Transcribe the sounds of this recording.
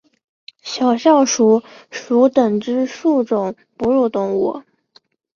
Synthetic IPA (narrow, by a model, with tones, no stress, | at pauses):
ɕjɑ˨˩ʊɕjɑ˥˩ʊʂu˧˥ʂu˧˥t̪ə˨˩ŋʈ͡ʂɻ̩˥ʂu˥˩ʈ͡ʂʊ˨˩˦ŋ | pu˧˥ɻu˥˩t̪ʊ˧˥˩ŋwɔ˨˩˦